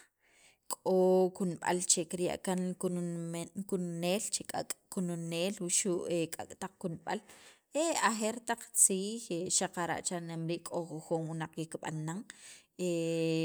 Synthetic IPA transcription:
kʼokunɓa̰lt͡ʃekiɾja̰ʔkan | kunneːlt͡ʃekʼakʼkununeːlwuʃuʔekʼa̰kʼt̪aq͡χ̚kunɓal | eaxeɾt̪aq͡χt͡siːxeʃaqaɾa̰ʔt͡ʃanemɾiːʔkʼoxuxunwunaq͡χjikɓa̰naŋe

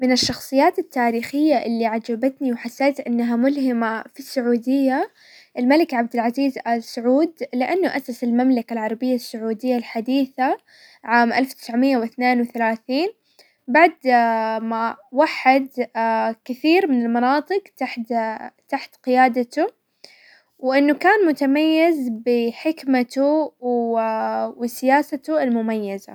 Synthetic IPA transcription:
mɪnɪʃːɑxsˤɨjːaːt̪ɪt̪ːaːɾiːxɪjːaʔɪlːiʕad͡ʒabat̪niwħasːeːt̪ʔɪnːaɦamʊlhɪmafisːʊʕuːd̪ɪjːa | ʔɪlmalɪkʕab̚d̪ɪlʕaziːzʔalsʊʕuːd̪lɪʔanːʊʔasasɪlmamlakalʕɑɾˤɑbɪjːasːʊʕuːd̪ɪjːalħad̪iːθa | ʕaːmʔalfwt̪ɪsʕmɪjːawɪθneːnwɪθalaːθiːn | baʕd̪mawaħɪd̪kɪθiːɾmɪnɪlmɑnɑːt̪ˤɨqt̪aħt̪aħt̪qɪjaːd̪at̪ʊ | wʔɪnːukaːnmʊt̪amajːɪzbɪħɪkmat̪u | wɪsɪjaːsat̪ʊɪlmʊmajːaza̰

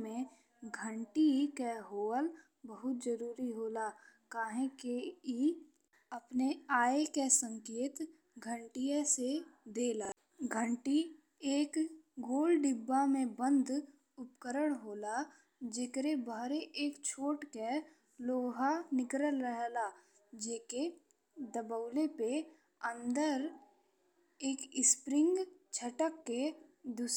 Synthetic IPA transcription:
mẽ | ɡʱə̃ɳʈikeɦoːəl | bəɦʊt̪d͡ʒəɾuːɾiɦoːlaːkaːɦẽkei | əpneaːekesə̃ŋkeːt̪ | ɡʱəɳʈijesed̪eːlaː | ɡʱəɳʈi | eːkɡoːlɖɪbːamẽbə̃nd̪ʱ | ʊpkəɾəɽ̃ɦoːla | d͡ʒeːkɾebaːɾeʔeːkt͡ʃʰoːʈke | loːɦanɪkɾəlɾəɦlaː | d͡ʒeːke | d̪əbəʊlepe | ə̃nd̪əɾ | eːkɪspɾɪ̃ŋɡt͡ʃʰəʈəkːed̪us

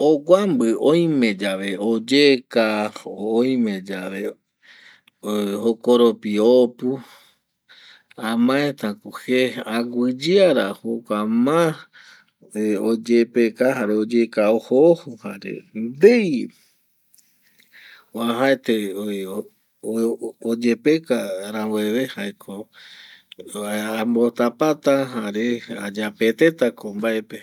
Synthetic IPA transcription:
oɡʷambɨõj̃mẽ̞d͡ʒaʋe̞od͡ʒekaooj̃mẽd͡ʒaʋe | hokoɾopiopu | ãmãẽt̪ãkuheaɡʷɨd͡ʒɨaɾa̰hokamã | od͡ʒepekaɦaɾeod͡ʒekaohohuhaɾḛd̪ej | oaɦaet̪eo | od͡ʒepekaɾaweβehaekʰo | ambot̪apat̪aɦaɾea̰d͡ʒapet̪et̪akombaepe

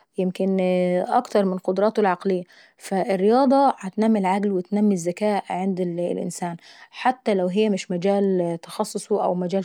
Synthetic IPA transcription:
jɪmkɪnʔɑ̰kt̪ɑɾˤmɪnqod̪ɾˤɑːt̪olʕɑqlɪjːa | fæʔɪrːɪjɑːd̪ˤɑhat̪næmːilʕaɡlwɪt̪næmːizːækæːʔʕɪnd̪lʔɪ̰nsæːnħat̪ːælæwɦɪjːæmɪʃmæd͡ʒæːlt̪ɑxɑsˤːosˤuʔæ̰wmæd͡ʒæːl

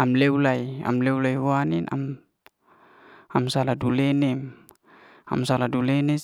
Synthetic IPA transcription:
amlewlaja̰mlewlajhwanina̰m | amsaladulɛnɛm | a̰msaladulene

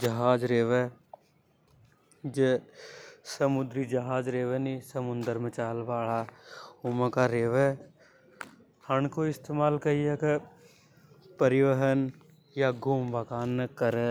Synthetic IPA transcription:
d͡ʒɐɦaːd͡ʒɾeːʋe | d͡ʒe | səmʊd̪ɾid͡ʒəɦaːd͡ʒɾeːʋenisəmʊnd̪əɾmət͡ʃaːlʋaːɭaʊməkaɾeːʋe | həɳkoɪst̪eːmaːlkəieke | pəɾɪʋəɦən | jaɡʱuːmʋaːkaːnkəɾe

